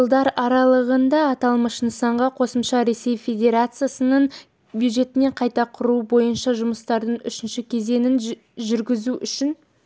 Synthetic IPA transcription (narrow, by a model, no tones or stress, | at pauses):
ʒəlˠd̪ɑɾɑɾɑlˠəʁənd̪ɑːt̪ɑlˠməʃnsɑɴʁɑqʰo̞səmʃɑɾe̞se̞jfʲe̞d̪ʲe̞ɾat̪sɨjasənəɴ | bjud̪ʒe̞t̪ɪne̞ɴqʰɑjt̪ɑqʰʊɾubo̞jənʃɑʒʊməst̪ɑɾd̪əɴʏʃɪnʃɪkʲʰe̞ze̞nɪn | ʒʏɾɡʲɪzuʔʏʃɪn